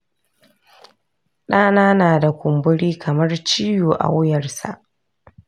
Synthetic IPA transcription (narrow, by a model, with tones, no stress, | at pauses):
ɗaː˦naː˦naː˨da˨kʷʊ˨mbʊ˦ɽiː˦kʰɐ˨mɐ˦rt͡ʃiː˦juː˨ʔa̰˨wjɐ˨rsa̰˨ʔ